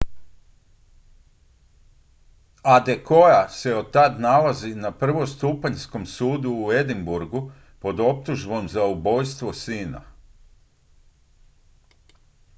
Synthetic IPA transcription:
ad̪e̞ko̞jase̞ot̪ːad̪nalazinapr̩ʋo̞st̪uːpaɲsko̞msuːd̪uːe̞d̪imbuɾɡu | po̞d̪o̞p̚t̪uʒbo̞mzaubo̞jst̪ʋo̞siːna̰

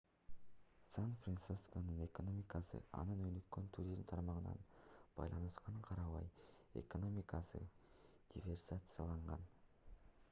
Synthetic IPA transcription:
sanfrant̪sisko̞nɯne̞ko̞no̞mʲikɑsɯ̰ɑ̰nɯnønykːø̞nt̪ʰuɾʲizmt̪ʰɑɾmɑʁənɑ̰nb̥ɑ̰jlˠɑnɯʃqʰɑɴqʰɑɾɑβɑj | e̞̰ko̞no̞mʲikɑsɯ̰ | d̪̥ʲivʲe̞rsat̪sɨjɑlˠɑɴʁɑn

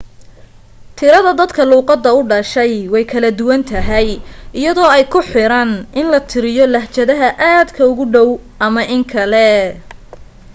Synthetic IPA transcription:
t̪ʰɪɾɐðɐd̪ɐd̪kʰɐluːqɑd̪ːɐʊɖɐʃɛjwɛjkʰɐlɐd̪ʊwɐnt̪ʰɐɦɛjɪjɐðɔːɛjkʰʊħɪɾɐnʔɪnlɐt̪ʰɪɾɪjɔlɐht͡ʃɐðɐɦɐʔaːd̪kʰɐʊɣʊɖɔwʔɐmɐʔɪŋkʰɐlɛ

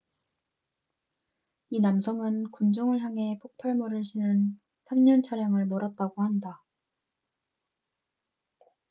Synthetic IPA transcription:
inamsʰʌŋɯnkund͡ʑʌŋɯɭɦjaŋɦe̞pʰok̚pʰaɭmʌɾɯɭɕʰinɯn | sʰamɲʌnt͡ɕʰaɾjaŋɯɭmʌɾat̚t͈aɡohanda

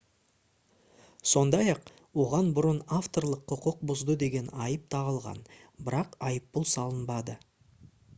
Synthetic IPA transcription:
so̞nd̪ɑjɑq | wo̞ʁɑnbʊɾənaft̪o̞rlˠəqʰːʊqʊq̚bʊzd̪əd̪e̞ɡʲe̞nɑjəp̚t̪ʰɑʁəlˠʁɑ̰n | bɪɾɑqɑjəpːʊlˠsɑlˠənbɑd̪ə

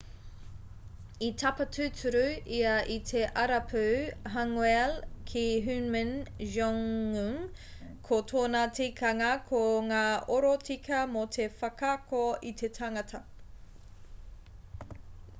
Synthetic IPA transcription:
it̪ʰɐpɐtʰʉtʰʉɾʉʔiɐʔit̪ʰe̞ʔɐɾɐpʰʉɦaŋwɛlkʰiɦʉnmənʒɔŋumkʰotʰoːnɐtikʰɐŋɐkʰoŋaːʔoɾotikʰɐmot̪ʰe̞fɐkakoitʰe̞tʰaŋɐtʰɐ

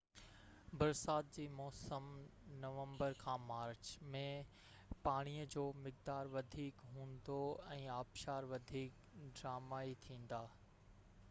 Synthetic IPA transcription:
bɐɾsaːt̪̚d͡ʑiːmɔːsəmnɐʋə̃mbəɾkʰãːmaːɾt͡ɕmẽ | paːɽ̃ijəd͡ʑoːmɪk̚d̪aːɾʋɐd̪ʱiːkɦũːnd̪oɛ̃ːaːbʃaːɾʋɐd̪ʱiːk | ɖɾaːmaːit̪ʰĩːn̆d̪aː

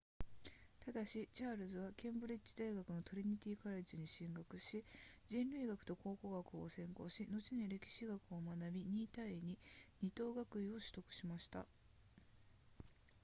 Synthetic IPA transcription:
t̪ad̪aɕit͡ɕaːɾɯ̟zɨβakẽ̞mbɯ̟ɾʲit͡ɕːi̥d̪aiɡakɯ̟no̞t̪o̞ɾʲiɲ̟it̪ʲiːkaɾad͡ʑɨɲ̟iɕĩŋɡakɯ̟ɕid͡ʑĩnɾɯ̟iɡakɯ̟̥t̪o̞ko̞ːko̞ɡakɯ̟osẽ̞ŋko̞ːɕino̞t͡ɕiɲiɾe̞kʲi̥ɕiɡakɯ̟o̞manabʲiɲ̟iːt̪aiɲ̟iɲ̟it̪o̞ːɡakɯ̟io̞ɕɨ̥t̪o̞kɯ̟̥ɕimaɕi̥t̪a̰

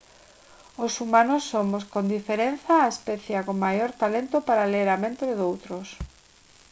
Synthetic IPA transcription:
osumãnosːomoskond̪ifeɾen̟θaːespɛθjakoŋmajoɾt̪alent̪ʊpaɾaleɾamẽnt̪ɾɪðowt̪ɾos

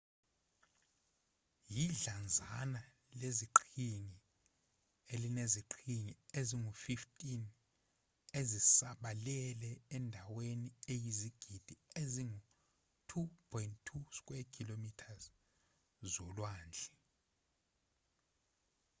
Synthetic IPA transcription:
jiɮand͡zʱana | leziǃʰiŋi | elineziǃʰiŋieziŋufiftʼin | ezisaɓalɛlɛɛndʱaweniejiziɡ̥ʱid̥ʱieziŋu | tʰupʰɔjntʰːuskʼwɛkʰilomitʰaz | zɔlwaːnd͡ɮʱɛ

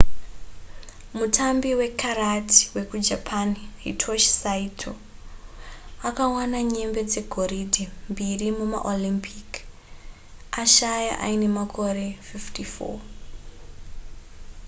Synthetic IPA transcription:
mutʰambiwe̞kʰaɾatʰi̥we̞kud͡ʒapʰaniḭtʰoʃsaitʰo | akawanaɲe̞mbe̞d͡ze̞ɡʱo̞ridʱimbirimuma̰ʔolimpʰik | aʃaja̰ʔa̰ine̞makʰo̞re̞fiftifo̰

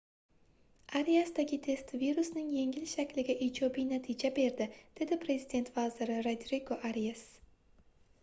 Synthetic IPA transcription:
aɾijasd̪aɡʲɪt̪ʰe̞st̪viɾusnɪŋje̞ŋʲɪlʃakʲlɪɡʲaʔiːd͡ʒɒbijnat̪ʰid͡ʒabe̞ɾd̪ɪd̪̥e̞d̪ɪpʰɾe̞zɪd̪e̞nt̪vazɪɾɪɾod̪ɾiɡoʔaɾijas

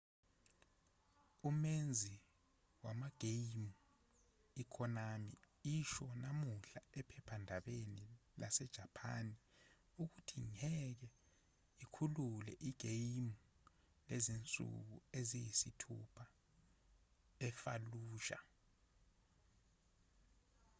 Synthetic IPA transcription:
umend͡zʱi | wamaɡ̥ʱejmu | ikʰɔnamḭ | iʃɔnamuɬaɛpʰɛpʰandʱaɓenilasɛd̥ʒ̥ʱapʰa̰ni | uk̬utʰiŋɛk̬ɛ | ikʰululɛ̰ʔiɡ̥ʱejmu | lezint͡sʼṵk̬uezijisitʰṵpʰa | ɛfa̰luːʃa̰

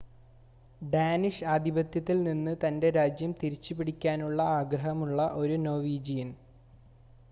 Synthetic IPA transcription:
ɖaːniʂɐd̪ʱibɐt̪jɐt̪ːilninːɨt̪ɐnde̞ɾaːd͡ʑjɐmt̪iɾit͡ɕːupiɽikʲːaːnuɭːɐaːɡɾɐɦɐmuɭːɐʔo̞ɾuno̞ːʋiːd͡ʑijin

